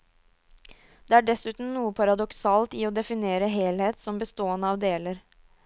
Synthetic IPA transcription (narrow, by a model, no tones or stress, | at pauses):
d̪̥eːæːɖɛsʉːt̪n̩nuːəpʰɑɾɑd̪ɔksɑːlt̪ɪoːd̪ɛfɪneːɾəɦeːlheːt̪sɔmbəst̪oːənəɑːʋd̪eːləɾ